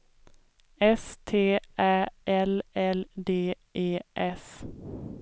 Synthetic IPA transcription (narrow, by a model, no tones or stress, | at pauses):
ɛst̪ʰeːʔæːʔɛlɛld̪eː | ʔeːʔɛs